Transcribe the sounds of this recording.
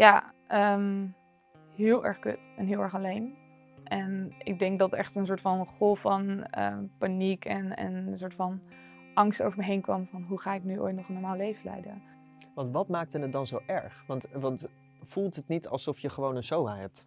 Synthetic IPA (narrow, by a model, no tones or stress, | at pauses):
jaːəm | ɦɪːlˠʔɛ̰ɹχkø̰tɛnɦɪːlˠɛɹχɑlejn | ʔɛnʔɪ̰ɡ̚dɛŋk̚dɑtɛχtənsʊːɹtfɑnχɔlˠfɑnə̰panikʰɛnɛ̰nsʊːɹtfɑn | ʔɑŋsto̰wvəɹmɛɦejnkʋɑmvɑnɦuχaːɪknyʔo̰jtnɔχənɔɹmaːlˠlejvəlɛ̰jdə̰n | ʋɑntʋɑtmaːk̚tənət̚dɑnzowʔɛɹχʋɑntʋɑnt | fulˠtɦətnitɑ̰lˠsɔfjəχəʋownənʃowaɦɛp̚t